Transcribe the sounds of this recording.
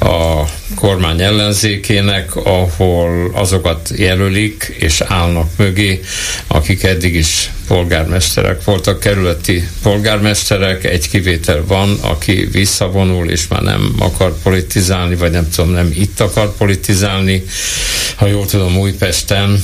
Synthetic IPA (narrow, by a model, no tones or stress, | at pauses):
ɒ | kʰormaːɲɛlːɛnzeːkeːnɛkʰɒholɒ̰zo̞kɒt̪jɛlølik | eːʃaːlnɒkmøɡeː | ɒ̰kikɛd̪ːiɡiʃ | po̞lɡa̰ːrmɛʃt̪ɛ̰ɾɛ̰kʋo̞lt̪ɒkːɛɾyløt̪ːipo̞lɡaːrmɛʃt̪ɛɾɛkɛ̰ɟkiveːt̪ʰɛlvɒnɒ̰kʰḭvisːɒvo̞nulḛːʃma̰ːrnɛ̰mɒ̰kɒrpo̞lit̪izaːlnivɒɟnɛmt̪ud̪o̞mnɛmit̪ːɒkɒrpo̞lit̪izaːlni | hɒjoːlt̪ud̪o̞muːjpɛʃt̪ɛn